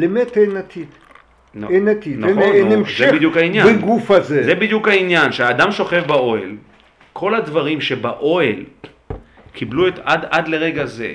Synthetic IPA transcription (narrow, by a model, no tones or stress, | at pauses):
lemet̪enat̪ʰid̪ | naenat̪idnenemʃzebidjukhainjaneɡufazezebid̪jukhainjanʃeaːd̪amʃo̞χe̞fbao̞el | kʰo̞lad̪vaʁimʃe̞baʔo̞el | kʰibluet̪adad̪le̞ʁeɡaze̞̰